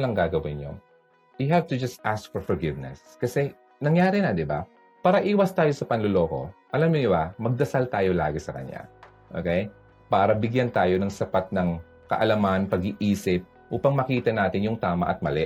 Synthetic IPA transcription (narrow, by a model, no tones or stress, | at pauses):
lɐŋɡaːɡɐwɪnɲo̰ | jʊɦav̚t̪ud͡ʒɐst̪ʔask̚fɔɹfɔɹɡɪvnɛ̰s | kɐsɛ | nɐŋjaːɾɪnɐd̪ɪba̰ | paːɾɐʔiːwɐst̪aːjo̞sɐpɐnlolo̞ːko̞̰ʔɐlamɲonɪbamɐɡ̚d̪ɐsalt̪aːjo̞laːɡɪsɐkɐ̰ɲja̰ | ʔo̰kɛj | paːɾɐbɪɡjant̪aːjo̞nɐŋsɐpat̪̚nɐŋ | kɐ̰ʔɐlɐmanpɐɡɪʔiːsɪp̚ | ʔuːpɐŋmɐkiːt̪ɐnaːt̪ɪnjʊŋt̪aːmɐ̰ʔɐt̪̚mɐlɛ